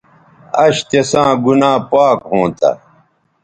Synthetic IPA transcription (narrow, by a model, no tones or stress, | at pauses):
ɐɕt̪esãːɡunãːpaːkɦõːt̪ʰɐ̰